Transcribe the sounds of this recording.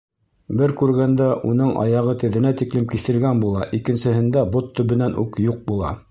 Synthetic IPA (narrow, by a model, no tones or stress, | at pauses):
bɘɾkʉɾɡænd̪æʔunɤɴʔɑ̰jɑʁɤt̪ɘ̆ðɘ̆næt̪iklɘmkiθɘ̆lɡænbulˠɑʔikɘ̆nsɘ̆ɦɘ̆nd̪æbot̪ːɵ̆βɘ̆nænʔʉ̰kjuq̚bulˠɑ̰